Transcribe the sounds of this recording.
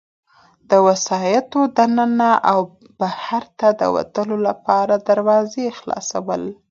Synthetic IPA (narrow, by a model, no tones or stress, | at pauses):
d̪̥əwasɑjat̪od̪anənaʔaw | bahaɾt̪ad̪ə̰wa̰t̪əlolapɑɾad̪aɾwɑzexlɑ̰sawəl